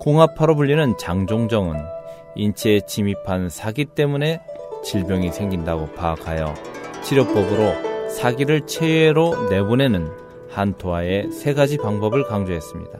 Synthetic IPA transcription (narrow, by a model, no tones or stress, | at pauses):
koŋɦapʰaɾobuʎːinɯnt͡ɕaŋd͡ʑoŋd͡ʑʌŋɯn | int͡ɕʰet͡ɕimipʰansʰaɡit͈e̞mune̞t͡ɕiɭbjʌŋisʰe̞ŋɡindaɡopaːkʰajʌ̰t͡ɕʰiɾjʌk̚p͈ʌbɯɾosʰaɡiɾɯɭt͡ɕʰeeɾone̞bone̞nɯn | hantʰoae̞sʰe̞ɡad͡ʑipaŋbʌbɯɭkaŋd͡ʑoɦe̞s͈ɯmɲḭda